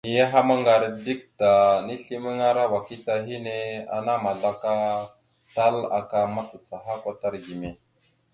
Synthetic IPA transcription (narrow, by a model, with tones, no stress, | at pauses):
ni˨ja˦ɦa˦ma˦ŋɡa˨ɾdi˦k̚ta˨ni˦ɬi˦mə˦ŋa˦ɾa˦wa˨ki˦ta˨ɦi˦ne˦a̰˨na˦ma˨ɮa˦ka˦ | ta˦la̰˨ka˨ma˦t͡sa˨t͡sa˨ɦa˦kʷa˨ta˦ɾɡi˨me˨